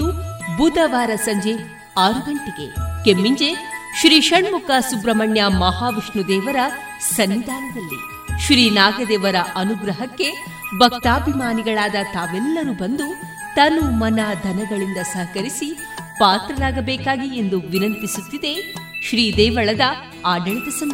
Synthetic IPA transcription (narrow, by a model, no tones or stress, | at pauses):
ubud̪ʱɐʋaːɾɐsɐɲd͡ʒe̞ | aːɾuɡɐɳʈiɡekemːiɲd͡ʒeʃɾiːʃɐɳmukɐsubɾɐmɐɳjɐmɐɦaːʋiʂɳud̪ɛːʋɐɾɐ | sɐnːid̪aːlɐd̪ɐlːḭ | ʃɾiːnaːɡɐd̪ɛːʋɐɾɐʔɐnuɡɾɐɦɐkːe | bʱɐk̚t̪aːbʱimaːniɡɐɭaːd̪ɐt̪aːʋɛlːɐɾuːbɐnd̪u | t̪ɐnːumɐnɐd̪ʱɐnɐɡɐɭind̪ɐsɐɦɐkɐɾisi | paːt̪ɾɐlaːɡɐbɛːkaːɡiend̪uʋinɐnt̪isut̪ːid̪eʃɾiːd̪ɛːʋɐɭɐd̪ɐ | aːɖɐɭɐd̪ɐsɐm